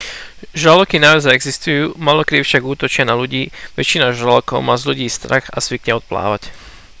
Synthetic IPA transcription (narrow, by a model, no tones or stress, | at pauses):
ʒalɔkinaʋɛzaɛɡzist̪ujuːmaːlɔkɾiːfʃaɡuːt̪ɔt͡ʃɪanaluɟiːʋɛ̰t͡ʃinaʒalɔkɔʊmaːzʎuɟiːst̪ɾaxazʋikɲɛɔt̪̚pla̰ːʋac